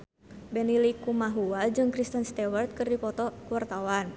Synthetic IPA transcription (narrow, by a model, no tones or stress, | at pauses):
bɛnilikumaɦuad͡ʒɨŋkɾist̪ənst̪ɛwərt̪̚kɨrdipɔt̪ɔkuwart̪awan